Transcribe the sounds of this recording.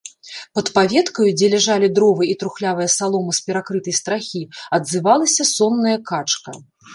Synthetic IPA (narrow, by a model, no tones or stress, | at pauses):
pɐt̪pavʲɛt̪kɐjud͡zʲɛlʲɛʐalʲid̪ɾɔvɨjit̪ɾuxlʲavɐjɐsalˠɔmɨspʲɛɾakɾɨt̪ɐjst̪ɾaxʲiɐd̪zɨvalˠɐsʲɐsɔnːɐjɐkat͡ʂkɐ̰